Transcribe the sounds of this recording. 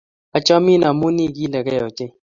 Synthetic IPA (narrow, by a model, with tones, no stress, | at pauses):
a˨t͡ʃɔ˦mi˦na˨mo˦ni˦˨ɡi˦lɛ˨kɛ˦ɔ˨t͡ʃɪ˦